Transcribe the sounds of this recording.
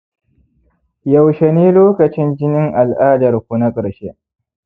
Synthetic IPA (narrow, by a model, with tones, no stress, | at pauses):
jɐ˨wʃe˨niː˦loː˦kɐ˨t͡ʃɪ˦nd͡ʒɪ˦nɪ˦ŋʔa˨lʔaː˦dɐ˨rkʷu˦na˦kʼɐ˨ɽʃe˦ʔ